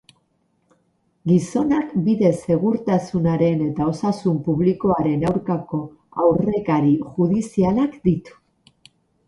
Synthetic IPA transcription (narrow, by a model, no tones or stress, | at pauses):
ɡiso̞nakbiðe̞se̞ɣuɾt̪asunaɾe̞ne̞t̪ao̞sasumpuβ̞liko̞aɾe̞nawɾkako̞ | awre̞kaɾiʝuðisialakd̪it̪u̥